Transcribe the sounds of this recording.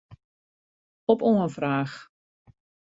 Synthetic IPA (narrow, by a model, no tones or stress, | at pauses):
ɔpoənfraːx